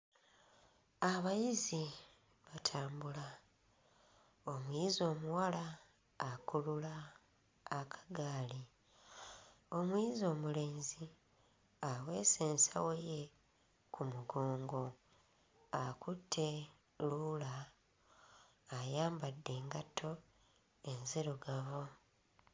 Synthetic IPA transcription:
aβajizi | βatʰaːmbula | o̞mwizo̞ːmuwalaː | kululaː | kʰḁɡaːli | o̞mwizo̞ːmule̞ːnzi | awe̞ːseːnsa̰weje | kʰumuɡoːŋɡo̞ | akutʰːe̞ | lula | jaːmbadːe̞ːŋɡatʰo̞ | enziɾoɡaβo̞

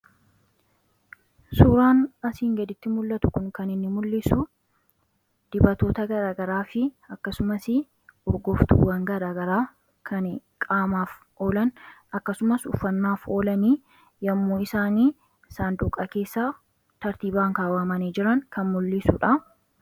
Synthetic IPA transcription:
suːɾaːnɐsiːŋɡɐd̪ɪt̪ːɪmʊlːɐt̪ʊ̥kʊŋkɐnɪnːɪmʊlːɪsʊ | d̪̥ɪbɐt̪o̞ːt̪ɐɡɐɾaːɡɐɾaːfɪ | ɐkːɐsʊmɐsɪ | ɔɾɡɔft̪ṵwɐŋɡɐɾaːɡɐɾaː | kʰɐn | kʼaːmaːf | ʔo̞ːlɐnɐkːɐsʊmɐsʊ̰fːɐnːaːfo̞ːlɐniː | jɐmːoːɪsaːniː | ɪsaːnd̪ʊkʼːɐke̞ːsːaː | t̪ɐɾt̪iːbaːŋkaːwɐmɐniːd͡ʒɪɾɐŋkɐnmʊlːɪsʊᶑɐ

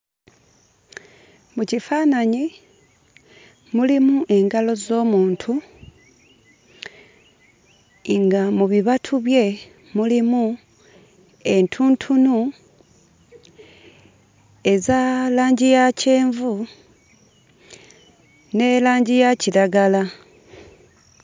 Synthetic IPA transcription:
mucifaːnaɲi | mulimuʔe̞ŋɡalo̞zo̞ːmuːntʰu | ŋɡamuβiβatʰuβje̞ | mulimu | e̞ntʰuːntʰunu | e̞zalaːɲɟijace̞ːɱvu | ne̞ːlaːɲɟijaciɾaɡala

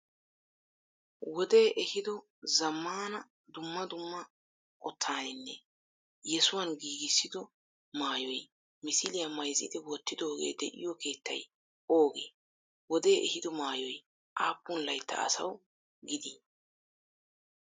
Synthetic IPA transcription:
wɔd̪e̞ːʔɛhɪd̪ɔ | zɐmːaːnɐ | d̪ʊmːɐd̪ʊmːɐ | ʔɔt̪ʰːaːnɪnːɛ | jɛsʊwɐnɡiːɡɪsːɪd̪ɔ | maːjɔj | mɪsɪlɪjɐmɐjzɪ̰d̪ɛwɔt̪ːɪd̪o̞ːɡḛːd̪ɛʔɪ̰jɔke̞ːt̪ʰːɐ̰j | oːɡe̞̰ː | wɔd̪e̞ːʔɛhɪd̪ɔmaːjɔj | ʔaːpːʊnlɐjt̪ʰːɐ̰ɐ̰sɐ̰w | ɡɪd̪i

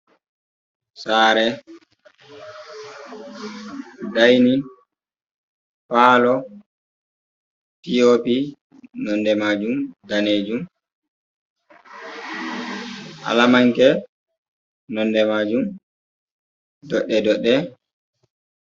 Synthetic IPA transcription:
saːɾɛ | dajni | paːlɔ | tiopi | nɔndɛmaːd͡ʒumdaneːd͡ʒum | ʔa̰lamaŋkɛ | nɔnːdɛmaːd͡ʒum | dɔɗːɛdɔɗːɛ

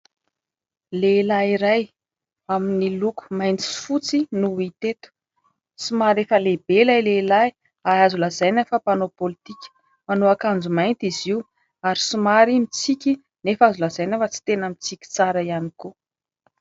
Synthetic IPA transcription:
lelaiɾaj | aminiluku̥majnt͡si̥fut͡sinuit̪et̪u̥ | simaɾefəlebelajlelaj | aazulazajnafapanopolit̪ikʲə̥ | manoakand͡zumajnt̪iziu | aɾisimaɾimit͡sikʲi | nefazulazajnafət͡si̥t̪enəmit͡sikʲi̥t͡saɾaianiku

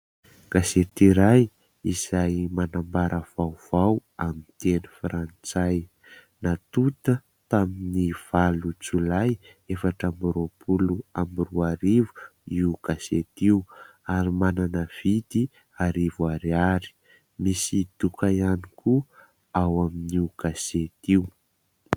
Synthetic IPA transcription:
ɡ̥aset̪iɾaj | iz̥ajmanambaɾəv̥awv̥awamint̪enufɾant͡saj | nat̪ut̪ə | t̪aminiv̥alut͡sulaj | efaʈ͡ʂambiɾopʰuluambiruaɾivuiuɡ̥aset̪iu | aɾimananəv̥id̪i | aɾivuaɾiaɾi̥ | misid̪̥ukaianiku | awaminiuɡ̥aset̪iu

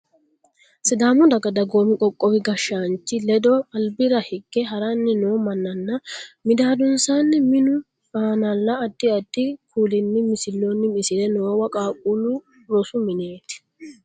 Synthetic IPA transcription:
sɪd̪aːmʊd̪ɐɡɐd̪ɐɡoːmɪkʼɔkʼːɔwɪɡɐʃːant͡ʃːɪlɛd̪ɔɐlbɪɾɐhɪɡːɛɦɐɾɐnːɪnoːmɐnːɐnːɐmɪd̪aːd̪ʊnsanːɪmɪnʊ | faːnɐlːɐːt̪ːɪɐt̪ːɪkʰuːlɪnːɪmɪsɪlːonːɪmɪsɪd̪ɛnoːwɐkʼaːkʼulʊ | ɾɔsʊmɪneːt̪

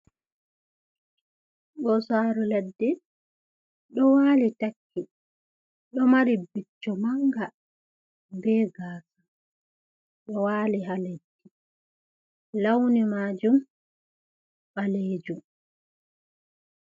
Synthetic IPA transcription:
ɡɔsaːɾulɛdːɛ | ɗɔwaːlitakʰːi | ɗɔmaɾibit͡ʃːɔmaŋɡa | bɛːɡaːsa | ɗɔwaːliɦaled͡ʒːi | lawnimaːd͡ʒum | ɓaled͡ʒum

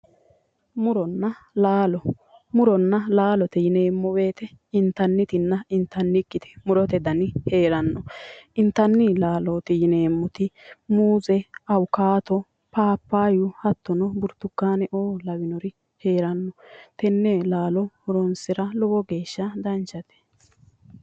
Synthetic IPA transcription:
mʊɾɔnːɐlaːlɔ | mʊɾɔnːɐlaːlɔt̪ɛjɪne̞ːmːɔbe̞ːt̪ɛ | ɪnt̪ːɐnːɪt̪ɪnːɐɪnt̪ːɐnːɪkːɪt̪ɛ̥mʊɾɔt̪ɛd̪ɐnɪhe̞ːɾɐnːɔɪnt̪ːɐnːɪlaːlot̪ɪjɪne̞ːmːɔt̪ɪmuːzɛɐwkaːt̪ɔ | paːpːaːjʊhɐt̪ːɔnɔbʊɾt̪ːʊkːaːnɛʔoːlɐwɪnɔɾɪ | he̞ːɾɐnːɔt̪ɛnːɛlaːlɔmʊɾɔnsɪɾɐlɔwɔɡe̞ːʃːɐd̪ɐnt͡ʃɐt̪ɛ̥

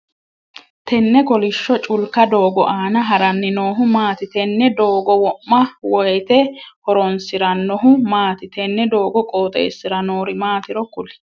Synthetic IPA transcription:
t̪ʰɛnːɛkɔlɪʃːɔt͡ʃʼʊlkɐd̪oːɡɔʔaːnɐɦɐɾɐnːɪnoːɦʊmaːt̪ɪt̪ɛnːɛd̪oːɡɔwɔʔːɐwɔjɛt̪ɛhɔɾɔnsɪɾɐnɔɦʊmaːt̪ɪt̪ɛnːɛd̪oːɡɔkʼo̞ːt̪ʼḛːsːɪɾɐnoːɾɪmaːt̪ɪɾɔkʊlɪ̥

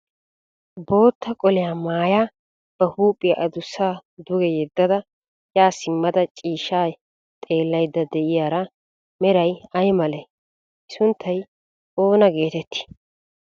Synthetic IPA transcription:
bo̞ːt̪ːɐkʼɔlɛjaːmaːjaː | b̥ɐhuːpʼːɪjɐʔɐd̪ʊsːaːd̪ʊɡɛjɛd̪ːɐd̪ɐ | jaːsɪmːɐd̪ɐt͡ʃʼiːʃːaː | t̪ʼe̞ːlːɐjd̪ːɐd̪ɛʔɪjaːɾɐ | mɛɾɐjɐjmɐlɛ | ʔɪsʊnt̪ʰːɐj | ʔo̞ːnɐɡe̞ːt̪ɛt̪ːɪ̥

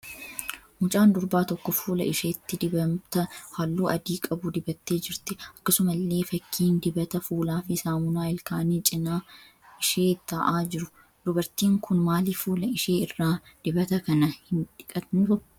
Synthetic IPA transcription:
mʊt͡ʃʼaːnd̪ʊɾbaːt̪ɔkːɔfuːlɐ̰ʔɪʃeːt̪ːɪd̪ɪbɐmt̪ɐhalːuːʔɐd̪iːkʼɐbʊd̪ɪbɐt̪ːe̞ːd͡ʒɪɾt̪ɪɐkːɐsʊmɐlːe̞ːfɐkʰːiːnd̪ɪbɐt̪ɐfuːlaːfɪsaːmʊnaːɪlkaːniːt͡ʃʼɪnaː | ɪʃeːt̪ːɐʔaːd͡ʒɪɾʊ | d̪ʊbɐɾt̪iːŋkʊnmaːlifuːlɐɪʃeːɪrːaːd̪̥ɪbɐt̪ɐkɐnɐhɪnᶑ̪ɪ̥kʼɐt̪nɪfʊ

